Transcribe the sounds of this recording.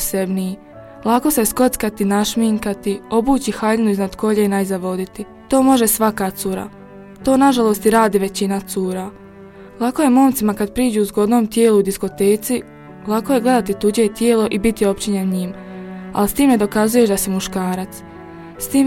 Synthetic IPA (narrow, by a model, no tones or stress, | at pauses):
sebnii | lˠako̞sesko̞t̪skat̪inaʃmiŋkat̪io̞buːt͡ɕixaʎenuiznad̪ko̞ʎeinajzaʋo̞d̪it̪i | t̪o̞ːmo̞ʒe̞sʋakat̪suːɾa̰ | t̪o̞ːnaʒalˠo̞st̪iɾaːd̪iʋe̞t͡ɕinat̪suːɾa | lˠako̞je̞mo̞ːmt̪simakad̪pɾiːd͡ʑuːuzɡo̞d̪no̞ːmt̪jeːluud̪isko̞t̪e̞ːt̪si | lˠakoje̞ɡle̞d̪at̪it̪ud͡ʑet̪jeːlo̞ʔibit̪io̞p̚t͡ɕiɲenɲiːm | a̰list̪iːmne̞d̪o̞kazuje̞ʃd̪asimuʃkaːɾat̪s | st̪iːm